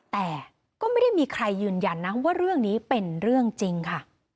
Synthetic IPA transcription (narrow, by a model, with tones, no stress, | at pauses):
t̪ɛː˨˩ | kɔː˥˩ma˥˩jda˥˩jmiː˧kʰɾa˧jːɯː˨˩nja˧nːa˦˥waː˥˩ɾɯ˥˩əŋniː˦˥pe˧nɾɯ˥˩əŋt͡ɕi˧ŋkʰa˥˩